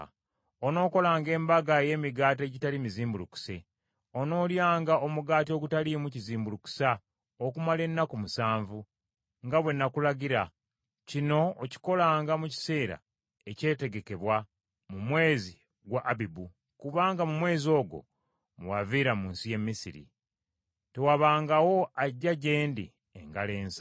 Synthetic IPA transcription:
ono̞ːko̞laːŋɡe̞ːmbaɡaeje̞ːmiɡaːte̞ɟitalimiziːmbuluku̥se | ono̞ːljaːŋɡaomuɡaːt̬io̞ɡutalimuciziːmbuluku̥sa | okumale̞nːakumusaːɱvu | ŋɡaβwe̞nːakulaɡiɾa | cino̞ːci̥ko̞laːŋɡamuci̥se̞ːɾa̰ | e̞ce̞ːte̞ɡe̞ke̞βwa | mumwe̞ːzi | ɡwaʔːbibu | kuβaːŋɡamumwe̞ːzio̞ːɡo̞̰ | muwaviːɾamuːnsije̞mːisiɾḭ | te̞waβaːŋɡawo̞aɟːaɟe̞ːndḭ | ḛŋɡale̞ːnsḁ

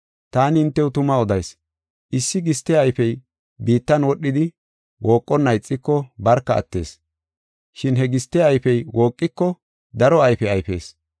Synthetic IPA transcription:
t̪aːnɪɪnt̪ːɛwʊt̪ʊmɐɔd̪ɐjs | ʔɪsːɪɡɪst̪ːɛɐjfɛj | biːt̪ːɐnwɔɗːɪd̪ɪ | wʔoːkʼːɔnːɐjt͡sʼːɪkːɔbɐɾkːɐɐ̰t̪ːe̞̰ːs | ʃɪnɦɛɡɪst̪ːɛɐjfɛjwo̞ːkʼːɪkːɔ | d̪ɐɾɔɐjfɛɐjfe̞̰ːs

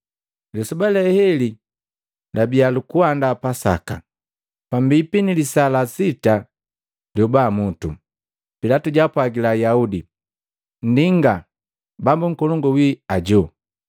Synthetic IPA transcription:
lɛsubalɛhɛli | labialukuandapasa̰ka | pambipinilisalasita | ljɔbaːmutu | pilatuɟapwaɡilajaudi | n̩diŋɡa | bambuŋ̩kɔlɔŋɡɔwiaɟɔ

